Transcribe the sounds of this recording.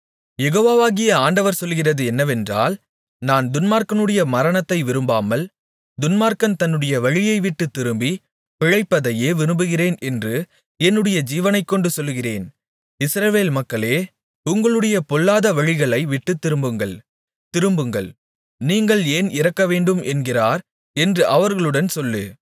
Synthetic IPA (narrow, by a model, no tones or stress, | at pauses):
jɛɣoːʋaːʋaːɣɪjɐaːɳɖɐʋɐɾsɔlːɣɪrɐðɯɛnːɐʋɛndra̰ːl | naːnd̪ʊnmaːɾkɐnɯɽɐjɐmɐɾɐnɐt̪ːɐɪʋɪɾɯmbaːmɐl | d̪ʊnmaːɾkɐnt̪ɐnːɯɽɐjɐʋɐɻɪjɐɪʋɪʈːɯt̪ːɪɾɯmbi | pɪɻɐɪpːɐðɐjeːʋɪɾɯmbɯɣɪreːnɛndrɯ | ɛnːɯɽɐjɐd͡ʒiːʋɐnɐɪkːɔɳɖɯsɔlːɯɣɪreːn | ɪsɾɐʋeːlmɐkːɐɭeː | ʊŋɡɐɭɯɽɐjɐpɔlːaːðɐʋɐɻɪɣɐɭɐɪʋɪʈːɯt̪ːɪɾɯmbɯŋɡɐɭ | t̪ɪɾɯmbɯŋɡɐ̰ɭ | niːŋɡɐɭeːnɪɾɐkːɐʋeːɳɖɯmʔɛnɡɪraːɾ | ɛndrɯʔɐʋɐɾɣɐɭɯɽɐnsɔlːɯ̰